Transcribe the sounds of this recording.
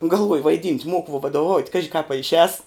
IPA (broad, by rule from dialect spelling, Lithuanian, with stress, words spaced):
ɡɐlˠˈʋoːjʊ ʋɐɪˈdʲiːnʲtʲ ˈmoːkʊ ʋuɔ ʋɐdoːˈʋɐʊtʲ ˈkɑːʒʲɪ kɑːp ɐ ɪʃʲˈɛːs